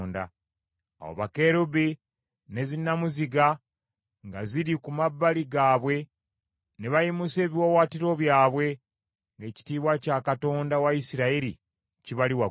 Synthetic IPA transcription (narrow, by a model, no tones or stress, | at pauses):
nda̰ | a̰wo̰βake̞ɾubi | ne̞zinːamuziɡa | ŋɡaziɾikumabːaliɡaːβwe̞ | ne̞βajimuse̞ːβiwowaːtiɾo̞βjaːβwe̞ | ŋɡe̞ːci̥tiːβwacaːkato̞ːndawaisiɾaiɾi | ciβaliwa